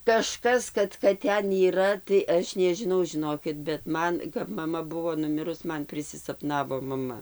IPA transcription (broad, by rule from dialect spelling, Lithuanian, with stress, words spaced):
kɐˈʃkɐs kɐt kɐt ˈtʲɛn iːˈrɐ tɐɪ ˈɐʃ nʲɛʒʲɪˈnɐʊ ʒʲɪˈnoːkʲɪt bʲɛt ˈmɐn kɐp mɐˈmɐ ˈbʊʋoː nʊˈmʲɪrʊs ˈmɐn pʲrʲɪsʲɪsɐpˈnɑːʋoː mɐˈmɐ